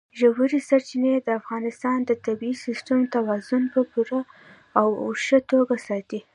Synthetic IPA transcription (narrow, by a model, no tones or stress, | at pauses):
ʒawhuɾisaɾt͡ʃined̪əafɣɑnɪst̪ɑnd̪ət̪abiisisʈ̪amt̪awɑzʊnpəpuɾa | awo̰ʃət̪oɡasɑt̪i